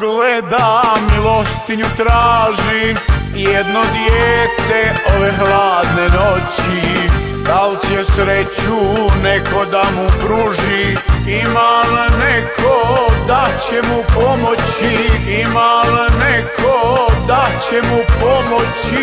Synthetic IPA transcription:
ɡled̪amilost̪iɲut̪ɾaːʒi | jed̪nod̪jeːt̪eoʋexlaːd̪nenot͡ɕi | d̪alt͡ɕesɾet͡ɕuneko̞d̪amupɾuʒiimalnekʰod̪at͡ɕemupomot͡ɕiimalnekʰod̪at͡ɕemupomot͡ɕi

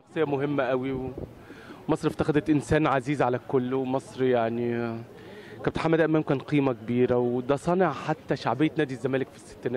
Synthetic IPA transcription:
ɑxsˤejːæmoɦemːæʔæwiw | mɑsˤɾft̪æxæd̪æt̪ʔensæːnʕaziːzʕalækolːwmɑsˤɾjaʕni | kæb̚t̪eħamːæd̪ʔæmæːmkæːnqiːmækebiːɾæwd̪æsˤɑneʕħat̪ːæʃaʕbejːæt̪næːd̪izːæmæːlekfi̥sːe̥t̪ːenæː

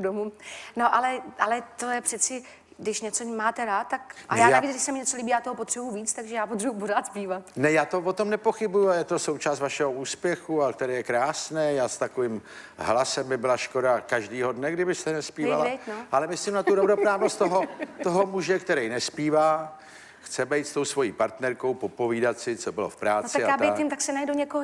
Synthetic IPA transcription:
domuno̞ʔalɛʔalɛt̪ojɛpr̥ɛt͡sɪ | ɡdɪʃɲɛt͡somaːt̪ɛɾaːt̪̚ːakʔa̰jaːnaaviːt͡sɡdɪʃsɛmɪɲɛt͡soliːbijaːt̪oɦopot̪r̥ɛbujuviːt͡st̪aɡʒɛjaːpot̪rɛbupoɾaːt̪z̥piːvat̪nɛjaːt̪o̞vo̞t̪omnɛpo̞xɪbujuajɛt̪o̞so̞wt͡ʃaːst̪vaʃɛɦouːspjɛxuakt̪ɛɾɛːjɛkɾaːsnɛːjaːst̪akoviːm | ɦlasɛmbɪbɪlaʃko̞dakaʒdiːɦo̞dnɛɡdɪbɪst̪ɛnɛspiːvalaɛjnoʔalɛmɪslimnat̪udobɾopɾaːvost̪t̪oɦott̪oɦo̞muʒɛkt̪ɛɾɛjnɛspiːvaː | xt͡sɛbɛjt̪st̪o̞wsvo̞jiːpaɾt̪nɛɾko̞wpo̞po̞viːdat̪sɪt͡so̞bɪlo̞̰fpɾaːnt͡s̪aɪajaːb̪ɛj̪ɪmt̪aksɛnajdoɲɛkoɦ

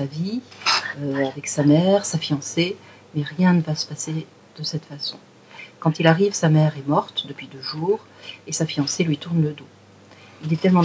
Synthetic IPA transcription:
avi | øavɛksamɛʁsafijɑ̃se | mɛʁjɛ̃nəvasə̥pase | d̪̥əsɛt̪fasɔ̰̃ | kɑ̃t̪ilaʁivsamɛʁɛmɔʁt̪d̪əpɥid̪øʒuːʁ | esafijɑ̃selɥit̪uʁnləd̪o | ilɛt̪ɛlmɑ̃

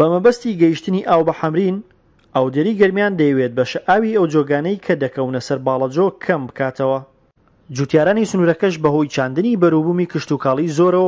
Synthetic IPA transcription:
bɐmɐbɐst̪iɡɐjiʃt̪ɨniʔaːwbɐħɐmɾin | ʔaːwd̪eɾiːɡɐɾmjaːnd̪ɐjwet̪̚bɐʃɐʔaːwiɐwd͡ʒoɡaːnɐjkʰɐd̪ɐkɐwnɐsɐɾbɑːlˠɐd͡ʒokʰɐmbɨkʰaːt̪ʰɐwɐ | d͡ʒuːt̪jaːɾaːnisɨnuːɾɐkɐʃbɐɦo̞jt͡ʃʰaːnd̪ɨnibɐɾuːbuːmiːkɨʃt̪uːkʰaːlˠizoːɾɐw

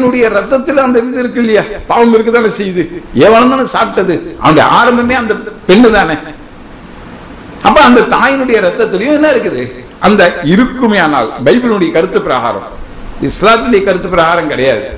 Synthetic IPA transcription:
nɯɽɐjɐɾɐt̪ːɐt̪ːɪl̃ɐnd̪ɐʋiːðɪɾɯk̬ːɪlːɐjaːpaːʋɐmɪɾɯk̬ːɯt̪aːnɯsɛjːɐðɯeːʋaːlɐmaːnːɯsaːpɪʈːɐðɯʔɐ̰ʋɐɳɖɐjɐ̰a̰ːɾɐmbɐmeːɐnd̪ɐpɛɳːɯt̪aːneː | ɐpːɐɐnd̪ɐt̪aːjɪnɯɽɐjɐɾɐt̪ːɐt̪ːɪljʊ̃ɛnːɐɪɾɯk̬ːɐðɯ | ʔɐnd̪ɐɪɾɯkːɯmɐjaːna̰ːlbɐɪbɪnɯɽɐjɐkɐɾɯt̪ːɯpːɪɾɐɦa̰ːɾɐ̰̃m | ɪslaːt̪ːɪnʊɽɐjɐkɐɾɯt̪ːɯpːɪɾɐɣaːɾɐmkɪɽɐja̰ːðɯ

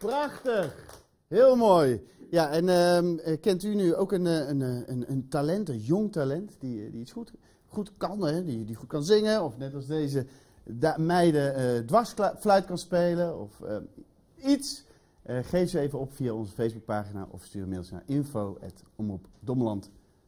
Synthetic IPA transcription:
prɑχtəχ | ɦɪːlˠmoːjjaɛnəəkɛntynyowkənənənəntalɛntənjɔŋtalɛntd̥idḭitsχut | χutkɑnɛdiədiχut̚kɑnzɪŋənɔfnɛtɑlˠzdejzə | damɛjdəədʋɑsflœɥtkɑnspejləɔ̰fə̰ | its | ʔəχejfyejvəɔpfiaɔnzəfejzbuk̚paːχina̰ːʔɔ̰fstyːrmɪdlˠsna̰ːɹʔɪnfowɛ̰tɔmrupdɔməlɑnt

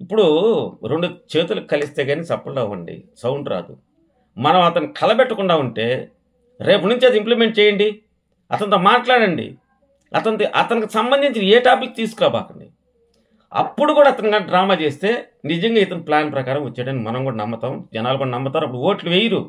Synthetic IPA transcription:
ipːuɽuɾeɳɖut͡ʃe̞ːt̪ulukɐlist̪e̞ːɡaːneːsɐpːɐlːɐʋɐ̰ɳɖḭsɐwɳɖɾa̰ːd̪ṵ | mɐnɐmɐt̪ɐnikʰɐlɐbɛʈːɐkuɳɖaːuɳʈe̞ː | ɾe̞ːp̬unuɲt͡ʃeːt̪ɐimplimeɳʈ̚t͡ʃɛːjɐɳɖi | ɐ̰t̪ɐnt̪ɐmaːʈlaːɽɐɳɖḭ | ɐ̰t̪ɐnt̪ɐʔɐ̰t̪ɐnikisɐmbɐnd̪ʱiɲt͡ʃineːʈaːpik̚ːt̪iːsu̥kɾaːba̰ːkɐɳɖḭ | ɐ̰pːuɽukuːɽaːt̪ɐniɡaːnɖɾaːmaːt͡ʃe̞ːst̪e̞ː | nid͡ʒɐŋɡaːit̪ɐniplaːnpɾɐkaːɾɐmʋɐt͡ʃːeːɽɐnimɐnɐmɡkuːɽɐnɐmːɐt̪aːmd͡ʒɐnaːlɐɡuːɽɐnɐmːɐt̪aːɾuɐpːuɽuoːʈluʋejiɾṵ

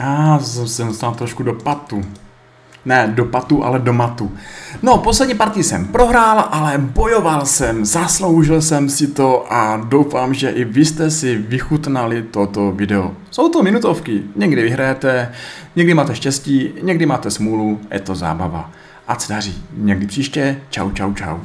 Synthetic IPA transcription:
jasɛsɛnost̪aːlt̪ɾoʃkudopat̪u | nɛdopat̪uʔa̰lɛdo̞mat̪uno̞poslɛdɲiːpaːɾt̪iːsɛ̰mpɾo̞ɦɾaːlʔalɛbo̞jo̞valsɛmzaslo̞wʒɪlsɛmsɪt̪o̞ʔadowfaːmʒɛʔɪvɪst̪ɛsɪvɪxut̪nalɪt̪o̞t̪ovɪdɛo̰sowt̪omɪnut̪ofkɪɲɛɡdɪvɪɦɾajɛt̪ɛɲɛɡdɪmaːt̪ɛʃcɛsciːɲɛɡdɪmaːt̪ɛsmuːluajɛ̰t̪o̞za̰ːba̰va̰ | ʔasɛdar̝iːɲɛɡdɪpr̥iːʃcɛt͡ʃa̰wt͡ʃawt͡ʃa̰w

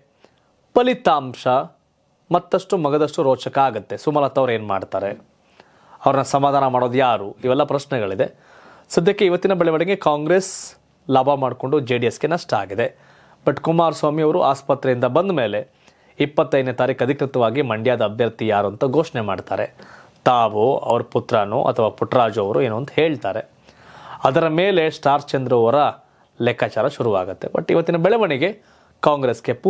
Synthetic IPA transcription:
pɐlit̪aːmʂɐ | mɐt̪ːɐʂʈumɐɡɐd̪ɐʂʈuɾoːt͡ʃɐkɐaːɡut̪ːe̞sumɐlat̪ːɐʋɾe̞ːnma̰ːɖt̪aːɾe̞ | ɐʋɾɐnːɐsɐmaːd̪ʱaːnɐmaːɽo̞ːd̪ujaːɾuiʋɛlːɐpɾɐsnɛɡɐɭid̪e̞ | sɐd̪ʱjɐkːeiʋɐt̪ːinɐbɐɭɛʋɐɽeɡekaːŋɡɾe̞ːs | laːbʱɐmaːɖko̞ɳɖud͡ʒeːɖiesɡe̞nɐʂʈɐa̰ːɡid̪e̞ | bɐʈːkumaːɾsʋaːmiɐʋɐɾuʔa̰ːspɐt̪ɾɛind̪ɐbɐnd̪me̞ːle̞ | ipːɐt̪ːɐjd̪net̪aːɾiːkɐd̪ʱikɾɪt̪ɐʋaːɡimɐɳɖjaːd̪ɐːbʱjɐɾt̪ijaːɾuɐnt̪ɐɡoːʂɳemaːɖt̪a̰ːɾe̞t̪aːʋuɐ̰ʋɐɾuput̪ɾaːnṵʔɐ̰t̪ʰɐʋaːpuʈɾaːd͡ʒuɐʋɐɾueːnoʋɐnd̪heːɭt̪aːɾe̞ | ɐd̪ɐɾɐmeːle̞sʈaːɾt͡ʃend̪ɾɐɔɾɐ | lɛkaːt͡ʃaːɾɐʃuɾuʋa̰ːɡɐt̪ːe̞̰bɐ̰ʈːḭʋɐt̪ːinɐbɛɭeʋɐɳiɡe̞ | kaːŋɡɾesɡepː

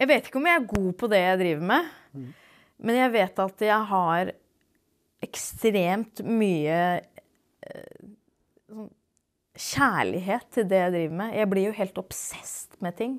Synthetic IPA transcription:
jæɪʋeɪt̪ɪ̥kːəɔmjæɪæɡuːpʰɔd̪ɛjæɪd̪ɾiːʋəɾmɛ | mʔɛnjæɪʋeːt̪ɑt̪jæɪɦɑɾ | ʔɛkst̪ɾeːmt̪myːə | sɔn | ɕæːɭɪ̰ɦeːt̪ʰːɪld̪ɛjæɪd̪ɾiːʋəɾmɛjʔæɪblɪɾjʊɦeːlt̪ɔpsɛst̪mɛt̪ʰɪŋː

